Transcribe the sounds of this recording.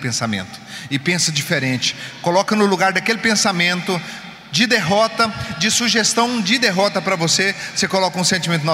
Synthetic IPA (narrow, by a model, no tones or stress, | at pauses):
pẽsamḛ̃nt̪ʊ̥ɪpẽsɐd͡ʒifeɾẽnt͡ʃɪ̥kolɔkɐnʊluɡaɾd̪ɐkelɪpẽsamẽnt̪ʊ | d͡ʒɪd̪eɦɔt̪ɐd͡ʒɪsuʒest̪ɐ̃w̃d͡ʒɪd̪eɦɔt̪ɐpɾɐvosesekolɔkɐũsẽnt͡ʃimẽnt̪ʊn